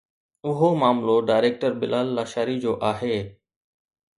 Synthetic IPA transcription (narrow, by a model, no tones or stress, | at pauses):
ʊɦomaːmloɖaːɪɾeːk̚ʈəɾbɪ̰lʔaːlːaːʃaːɾid͡ʑoːʔaːɦeː